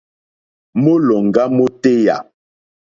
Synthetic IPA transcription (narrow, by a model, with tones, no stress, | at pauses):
mo˦lɔ˨ŋ˨ɡa˦mo˦te˦ja̰˨